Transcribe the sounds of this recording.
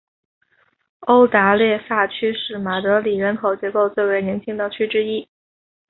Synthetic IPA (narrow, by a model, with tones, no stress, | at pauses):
o˥ʊt̪a˧˥ljɛ˥˧sa˥˩t͡ɕʰy˥ʂɻ̩˥˩ma˨˩t̪ɤ˧˥li˨˩ɻə˧˥nkʰo˨˩ʊt͡ɕjɛ˧˥ko˥˧ʊt͡swe˥˩ɪwe˧˥ɪnjɛ˧˥nt͡ɕʰi˥ŋd̪ə˧t͡ɕʰy˥ʈ͡ʂɻ̩˥i˥